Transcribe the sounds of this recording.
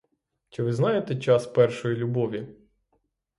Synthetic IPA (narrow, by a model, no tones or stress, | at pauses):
t͡ʃɪʋɪznɑjet̪ɛt͡ʃɑspɛrʃɔjilʲʊbɔʋʲi